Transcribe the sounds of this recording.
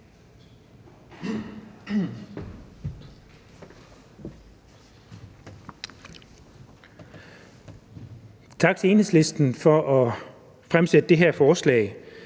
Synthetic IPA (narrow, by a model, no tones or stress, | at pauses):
t͡sʰɑ̈ɡ̥̚t͡sʰe̝e̝ːnhḛsle̝sd̥n̩fɒʔɒ | fʁamsed̥əd̥eɦeɐ̰fɒːslɛ̰ɪ